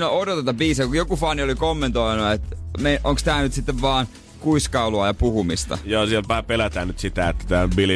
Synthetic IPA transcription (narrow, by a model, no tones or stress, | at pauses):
noodot̪ɑt̪ɑbiːsekujokufɑniolikomːẽnt̪oinuet̪meʔoŋkst̪æːnyt̪sit̪ːeʋʋɑːn | kuiskɑuluɑjɑpuhumist̪ɑ̰jɑːsielʋɑhæpelæt̪æːnyt̪sit̪æet̪ːæ̥t̪æːbili